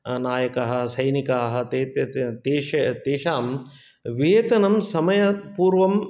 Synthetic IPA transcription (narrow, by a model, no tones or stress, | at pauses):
naːjɐkɐɦɐ̆sɐjnikaːɦɐ̆t̪eːt̪ɐt̪eːʃɐt̪eːʃaːm | ʋeːt̪ɐnɐmsɐmɐjɐpuːɾʋɐm